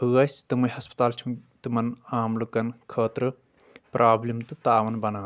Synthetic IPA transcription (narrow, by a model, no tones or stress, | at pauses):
ɨɣɐst̪ɨmɐjhɐspt̪aːlt͡ʃʰut̪ɨmɐnaːmlukɐnkʰəːt̪ɾɨ | pɾʔaːblimt̪ɨt̪aːwɐnbɐnaː